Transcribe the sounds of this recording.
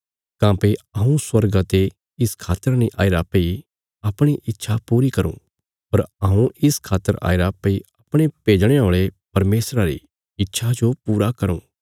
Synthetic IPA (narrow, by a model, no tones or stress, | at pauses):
kãːpeɐ̃ũswɐɾɡat̪e | ɪskʰaːt̪ːəɾaniʔa̰ːɪɾapɐi | ɐpɽ̃iʔɪtːʃʰapuːɾikɐɾṵ̃ː | ɐɾaũɪskʰaːt̪ːəɾa̰ːɪɾapɐiɐpɽ̃epeːd͡ʒɽ̃eoːɭepɐɾmeːsɾaɾḭ | ɪtːʃʰad͡ʒopuːɾakɐɾṵ̃ː